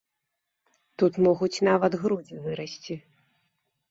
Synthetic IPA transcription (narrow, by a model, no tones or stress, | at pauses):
t̪ut̪mɔɣut͡sʲnavɐd̪ɣɾud͡zʲivɨɾɐsʲt͡sʲi